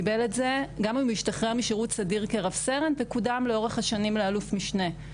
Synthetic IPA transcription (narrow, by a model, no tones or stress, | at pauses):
ibeletze̞ɡamimiʃtaχʁemiʃeʁutsadiʁkeʁavseʁenvekudamleo̞ʁeχhaʃanimlealufmiʃne̞